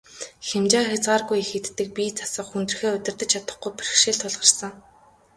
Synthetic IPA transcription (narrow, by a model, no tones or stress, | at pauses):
xemt͡ɕaːxʲat͡sɢaːrɣujexĕt̪ːɘ̆k̚pʲiːt͡sʰḁsə̆qxunt̪ɵ̆r̆xeːɵt̪ʲɪ̆rt̪ə̆t͡ɕʰat̪ə̆χɡujpirxʃeːɮt̪ʰʊɮʁə̆rsə̆ŋ